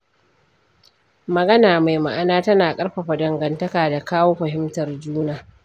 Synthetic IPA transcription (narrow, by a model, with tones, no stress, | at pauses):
mɐ˨ɡɐ˦naː˨ma˨jma˨ʔa˨naː˦tɐ˦naː˨kʼɐ˦ɽɸa˨ɸa˨dɐ˨ŋɡɐ˨ntɐ˦kaː˨da˨kaː˦woː˦ɸɐ˨ɦɪ˦mtɐ˨rd͡ʒuː˦naː˦